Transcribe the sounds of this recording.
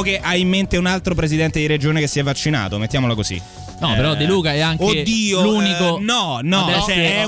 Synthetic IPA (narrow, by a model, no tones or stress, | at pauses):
okeʔaimːent̪eunalt̪ɾop̬ɾezid̪ɛnt̪ed̪iɾed͡ʒoːnekesːiɛvːat͡ʃːina̰ːt̪omet̪ːjaːmolakozḭ | nɔpeɾɔd̪eluːkaɛaŋkoed̪ːiːoluːnikonɔnɔt͡ʃɛɛ